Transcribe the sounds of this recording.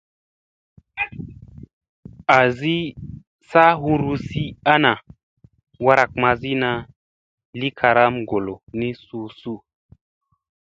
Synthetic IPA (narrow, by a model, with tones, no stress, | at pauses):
a˨zi˦ | sa˦ɦu˦ɾu˧si˦a˦na˨ | wa˧ɾa˨k̚ma˧zi˦na˧ | li˦kʰa˧ɾa˦mɡo˨lo˨ni˦su˦su˦